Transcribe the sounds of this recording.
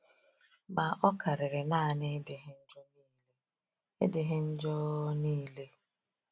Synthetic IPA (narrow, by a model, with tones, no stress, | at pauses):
ma˨ʔɔ˦ka˨ɾɪ˨ɾɪ˨na˦˨ne˦de˨ɦe˦n̩˦d͡ʒɔ˦niː˦le˦ | e˦de˨ɦe˦n̩˦d͡ʒɔ˦niː˦le˦